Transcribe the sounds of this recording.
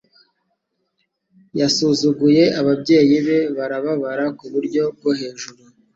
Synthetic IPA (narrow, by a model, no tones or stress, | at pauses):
jasuzuɡuje̞aβabɟe̞ːjiβe̞βaɾaβaβaɾakuβuɾɟo̞b̚ɡoɦe̞ːʒuɾu